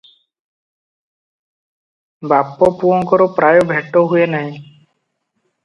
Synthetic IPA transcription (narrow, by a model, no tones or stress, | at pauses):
bapːɔpuɔ̃ŋkɔɾopɾaːjobʱeʈːoɦuenaɦĩ